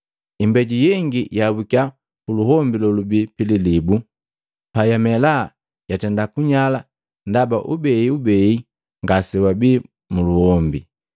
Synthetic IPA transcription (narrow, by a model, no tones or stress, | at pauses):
imbɛɟujɛŋɡijabukja | puluhɔmbilɔlubipililibu | pajamɛla | jatɛndakuɲala | ndabaʔubɛiubɛi | ŋɡasɛwabi | muluhɔmbi